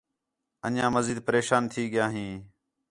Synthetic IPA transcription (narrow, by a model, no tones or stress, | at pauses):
ə̰nãːməziːd̪̚pəɾeːʃaːnt̪ʰiːɠɪjaːɦĩː